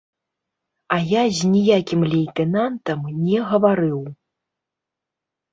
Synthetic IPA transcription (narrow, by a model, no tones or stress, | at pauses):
ɐjazʲnʲijakʲimlʲɛjt̪ɛnant̪ɐmnʲɛɣɐvaɾɨw